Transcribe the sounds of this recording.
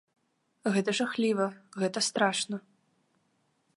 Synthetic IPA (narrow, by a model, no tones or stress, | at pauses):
ɣɛt̪ɐʐaxlʲivɐɣɛt̪ɐst̪ɾaʂnɐ